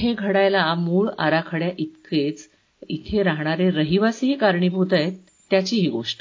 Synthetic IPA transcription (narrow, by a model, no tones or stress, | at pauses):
eɡʱəɽajlamuːɭa̰ɾakʰəɽjaʔit̪ket͡s | it̪ʰeɾaɦɳ̃aɾeɾəɦiʋasiɦiːkaɾɳiːbʱut̪ajet̪ːjat͡ɕiːɦiːɡoʂʈə̥